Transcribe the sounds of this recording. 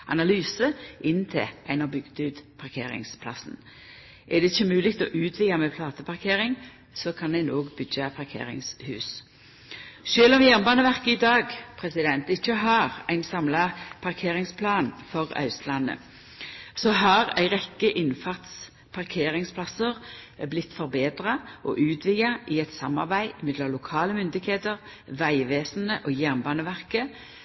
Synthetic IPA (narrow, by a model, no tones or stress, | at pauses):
ʔɑ̰nɑlyːsəʔɪnːt̪ʰɪ̰lʔæɪnɔbʏɡd̪ʉːt̪pʰɑʁkʰḛːɾɪ̰ŋspʰlɑ̰sn̩ | ʔæʁd̪ɛɪçːəmʉːlɪkt̪ɔːʔʉːt̪ʰʋɪlɑmɛpʰlɑːt̪əpʰɑʁkʰeːʁɪŋ | sɔkʰɑnæɪnoːɡbʏɡəpʰɑʁkʰḛːɾɪ̰ŋshʉ̰ːs | ʃøːlɔmjæːʁnbɑːnəʋæʁkəɪd̪ɑːɡpʰʁɛsɪd̪ɛnt̪ɪçːəɦɑʁæɪnsɑmlɑpʰɑʁkʰeːʁɪŋspʰlɑːnfɔʁɑ̰ʉslɑnːə̰ | sɔɦɑʁæ̰ɪʁɛkːəʔɪnfɑʁt̪s | pʰɑʁkʰeːʁɪŋspʰlɑsəʁblɪt̪ːfɔʁbeːd̪ʁɑʔɔ̰ːʔʉːt̪ʰʋɪɑʔɪɛt̪sɑmːɑ̰ʁbæɪɪmɪd̪lɑlʊkʰɑːləmʏnd̪ɪɡheːt̪əʁ | ʋæɪʋeːsn̩əʔoːjæʁmbɑːnəʋæʁkə